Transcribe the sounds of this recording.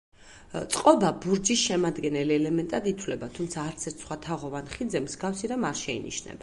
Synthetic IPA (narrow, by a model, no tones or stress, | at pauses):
t̪sʼqʼɔbabuɾd͡ʒisʃɛmad̪ɡɛnɛliɛlɛmɛnt̪ʼad̪it̪ʰwlɛbat̪ʰumt̪sʰaːɾt̪sʰɛɾt̪ʰsχwat̪ʰaʁɔvanχid̪zɛmzɡafsiɾamaɾʃɛḭnḭʃnɛ̰ba